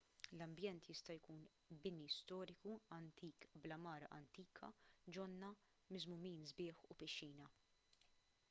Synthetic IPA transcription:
lɐmbjɛnt̪jɪst̪ɐjkuːn | bɪnist̪ɔːɾɪkuɐnt̪ʰiːkblɐmɐːɾɐʔɐnt̪iːkʰɐ̰d͡ʒɔnːɐ | mɪzmʊmiːnzbɪːħupɪʃːiːnɐ

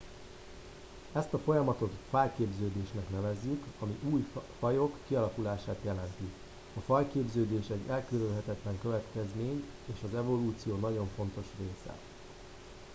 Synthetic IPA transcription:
ɛst̪ɒfo̞jɒmɒt̪o̞t̪faːjkeːbzøːd̪eːʃnɛknɛvɛzːykɒmiʔuːjfɒjo̞kːiɒlɒkulaːʃaːt̪jɛlɛnt̪i | ɒfɒjkeːbzøːd̪eːʃɛɟːɛlkøɾylɦɛt̪ɛt̪lɛŋkøvɛt̪kɛzmeːɲ | eːʃɒzɛvo̞luːt̪sijoːnɒɟo̞ɱfo̞n̪t̪o̞ʃreːsɛ̰

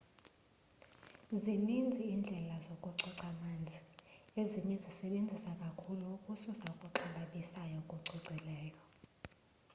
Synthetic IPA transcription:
zinind͡zʱiːnd͡ɮʱɛlazokʼuǀɔǀamand͡zʱieziɲɛzisɛɓend͡zʱisakʼakʰulukʼususaukʼuǀʰalaɓisajɔkʼuǀiǀʱilɛːjɔ

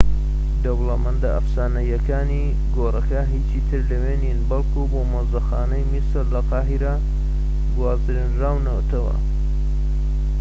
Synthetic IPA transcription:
d̪ɐblɐmɐnd̪aʔa̰fsaːnɐjɐkaːni | ɡoːrɐkaɦit͡ʃiːt̪ʰɨɾlɐweːninbɐlˠkʰubomɐzd̪ɐxaːnɐjmisɨɾlɐqɑːɦiɾa | ɡwaːzɾinɾaːwnɐwt̪ʰɐwɐ̰

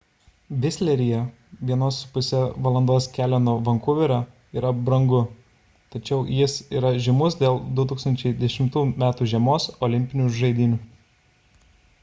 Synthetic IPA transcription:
ʋʲɪsʲlʲɛɾʲijɛ | ʋʲiɛnoːsʊpʊsʲɛʋɐlˠɐnd̪oːskʲæːlʲɛnoːʋɐŋkʊʋʲɪɾʲoː | iːɾɐbɾɐŋɡʊ | t̪ɐt͡ʃʲɛʊjɪsiːɾɐʒʲɪmʊsd̪ʲeːlˠd̪ʊt̪uːkst̪ɐnʲt͡ʃʲɛɪd̪ʲɛʃʲɪmt̪uːjumʲæːt̪uːʒʲiɛmoːsɔlʲɪmʲpʲɪnʲuʒɐɪd̪ʲɪnʲuː

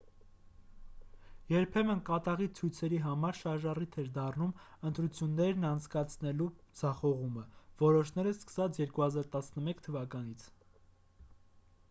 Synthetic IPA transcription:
jɛɾpʰɛmənkɑt̪ɑʁit͡sʰujt͡sʰɛɾiɦɑmɑɾʃɑɾʒɑrit̪ʰɛɾd̪ɑrnum | ənt̪ɾut͡sʰjunːɛɾnɑnt͡sʰkɑt͡sʰnɛlud͡zɑχɔʁuməvɔɾɔʃnɛɾəskə̥sɑt͡sʰjɛɾkuhɑzɑɾt̪ɑsnəmɛkʰt̪ʰəvɑkɑnit͡sʰ

